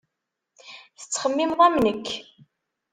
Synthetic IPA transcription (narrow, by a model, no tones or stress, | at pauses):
θə̥t͡sːχəmːimʁæmnəkʰː